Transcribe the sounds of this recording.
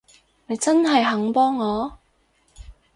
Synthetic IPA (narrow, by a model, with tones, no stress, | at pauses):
ne˨˧jt͡sɐ˥nɦɐ˨jɦɐ˨˥ŋpɔː˥ŋːɔː˨˧